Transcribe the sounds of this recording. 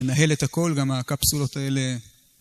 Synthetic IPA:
enaɦe̞let̪ako̞lɡamakapsulo̞t̪ae̞le

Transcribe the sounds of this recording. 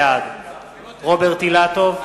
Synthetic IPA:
ad̪ | ʁobeʁt̪ilat̪ov

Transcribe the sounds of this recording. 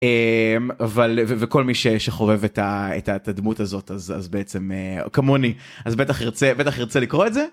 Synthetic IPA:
emavalveveko̞lmiʃeʃeχo̞ve̞vetaḛtatad̪mutazo̞t̪aza̰zbeet͡se̞meo̰kamoni | azbet̪aχʁt͡sebet̪aχiʁt͡selikʁoetze

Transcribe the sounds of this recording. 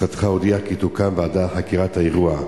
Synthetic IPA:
at̪χaod̪iakitukamveadaχakiʁat̪haeʁua

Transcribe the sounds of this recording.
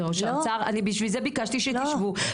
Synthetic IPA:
oʃat͡saʁa̰nibiʃvilzebikaʃt̪iʃet̪iʃvu

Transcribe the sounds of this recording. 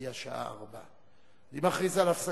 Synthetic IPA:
jaʃaʔa̰a̰ʁba̰ | nimaχʁizalafsa

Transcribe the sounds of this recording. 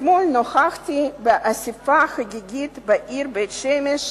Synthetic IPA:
molnoxaxt̪ibeʔasifaxaɡiɡit̪baʔiɾbet̪ʃemeʃ

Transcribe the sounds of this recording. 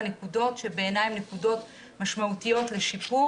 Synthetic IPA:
nekudo̞tʃebe̞ːnajimne̞kudo̞t | maʃmautijo̞tle̞ʃipu

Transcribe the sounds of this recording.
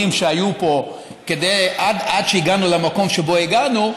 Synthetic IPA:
imʃeajupo̞ | ke̞d̪ejadadʃeiɡanulemako̞mʃe̞bo̞iɡanu

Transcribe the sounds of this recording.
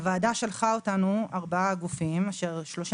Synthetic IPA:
vaːdaʃe̞lχaotanuaʁbaaɡufimaʃeʁʃlo̞ʃ

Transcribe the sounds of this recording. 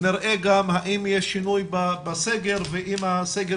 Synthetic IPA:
niɾʔeɡamhaʔimjeʃːinujbabaseɡeɾveʔimhaseɡ

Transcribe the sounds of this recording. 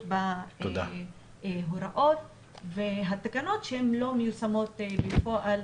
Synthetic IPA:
bat̪od̪a̰ | ɦoɾaʔo̞t̪̚ | veɦat̪akano̞t̪ʃehemlo̞mejusamo̞t̪befoʔal

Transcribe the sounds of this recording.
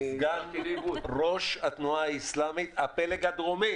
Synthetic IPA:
ɡaiuʁo̞ʃhat̪nuaaislamit̪apeleɡad̪ʁomi

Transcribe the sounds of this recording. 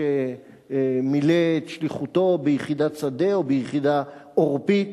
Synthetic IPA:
e | mileʃliχut̪o̞bejχid̪at͡sad̪e̞obejχid̪aoʁpit̪

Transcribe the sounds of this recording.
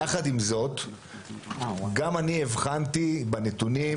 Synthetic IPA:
aχadimzo̞t | ɡamanievχantibanet̪uni

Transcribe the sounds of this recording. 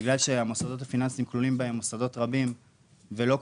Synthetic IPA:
ɡlalʃeamosad̪o̞t̬hafinansimklulimbae̞mːosad̪o̞t̪ʁabim | velo̞k

